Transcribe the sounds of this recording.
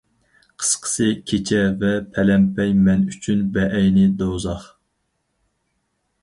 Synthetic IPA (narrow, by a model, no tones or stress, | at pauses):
qʰə̥sqʰə̥sɨkʲʰet͡ʃʰɛvɛpʰɛlɛmpʰɛjmɛnyt͡ʃʰynbɛʔɛjnɪd̪owzɑχ